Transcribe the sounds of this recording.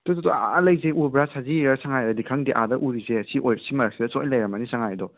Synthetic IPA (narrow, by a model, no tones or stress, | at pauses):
tototɔa̰lɐjzeʔuɾbɾasaziɾɐsaŋajdɐdikʰaŋdiʔa̰dɐʔuɾizeɐsiʔojɾɐsimɐɾak̚sidɐsojlɐjɾɐmɐnisaŋajdɔ